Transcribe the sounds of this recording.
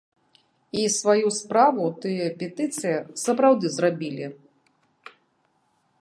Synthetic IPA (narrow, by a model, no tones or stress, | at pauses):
isvajuspɾavut̪ɨjɐpʲɛt̪ɨt̪sɨjɐsɐpɾawd̪ɨzrabʲilʲi